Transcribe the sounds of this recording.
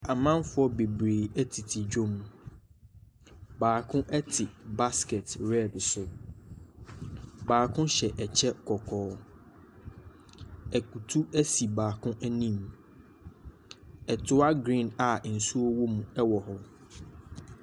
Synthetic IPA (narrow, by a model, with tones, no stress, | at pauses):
a˨mã˦nfʊ˦ɔ˦be˨bɾeː˨ɛ˦tʰi˨tʰi˨d͡ʑᶣo˦mũ˨ | baː˨kʰʊ̃˦ʔɛ˦tʰɪ˨ba˦skɛ˨tɾɛ˦˨dsʊ˨ | baː˨kʰʊ̃˦ɕɛ˨ʔɛ˨t͡ɕʰɛ˦kʰɔ˨kʰɔː˨˦ | ɛ˨kʰu˨tʰu˦æ˦si˨baː˨kʰʊ̃˦ʔɛ˦nĩ˦˨m | ɛ˨tʰʊ˦a˦ɡɾĩ˦˨na˨n̩˨su˦o˦wo˦mũ˨ɛ˦wɔ˨hʊ˨